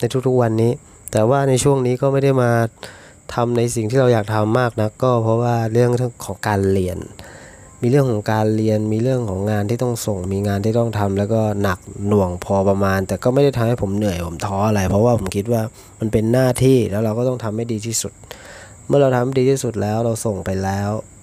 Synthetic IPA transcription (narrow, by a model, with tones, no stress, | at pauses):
na˧jt̪ʰu˦˥kt̪ʰu˦˥k̚wa˧nːiː˦˥ | t̪ɛː˨˩waː˥˩na˧jt͡ɕʰu˥˩əŋniː˦˥kɔː˥˩ma˥˩jda˥˩jmaː˧ | t̪ʰa˧mna˧jsi˨˩ŋt̪ʰiː˥˩a˧wjaː˨˩k̚t̪ʰa˧mːaː˥˩k̚na˦˥kːɔː˥˩pʰɔ˦˥waː˥˩ɾɯ˥˩əŋɾɯ˥ŋkʰɔː˩˦ŋkaː˧nli˧ən | miː˧ɾɯ˥˩əŋkʰɔː˩˦ŋkaː˧nli˧ənmiː˧ɾɯ˥˩əŋkʰɔː˩˦ŋːaː˧nt̪ʰiː˥˩t̪ɔ˥˩ŋso˨˩ŋmiː˧ŋaː˧nt̪ʰiː˥˩t̪ɔ˥˩ŋt̪ʰa˧mlɛː˦˥wkɔː˥˩na˨˩k̚nu˨˩əŋpʰɔː˧pa˧maː˧nt̪ɛː˨˩kɔː˥˩ma˥˩jda˥˩t̪ʰa˧mha˥˩jpʰo˩˦mnɯ˨˩əjpʰo˩˦mt̪ʰɔː˦˥ʔa˧ɾa˧jpʰɾɔ˦˥waː˥˩pʰo˩˦mkʰi˦˥t̪̚waː˥˩ | ma˧npe˧nːaː˥˩t̪ʰiː˥˩lɛː˦˥wɾa˧wkɔː˥˩t̪ɔ˥˩ŋt̪ʰa˧mːa˥˩jdiː˧t̪ʰiː˥˩su˨˩t̪̚ | mɯ˥˩ɐɾa˧wt̪ʰa˧ma˥˩diː˧iː˥˩su˨˩t̪̚lɛː˦˥wɾa˧wso˨˩ŋpa˧jlɛː˦˥w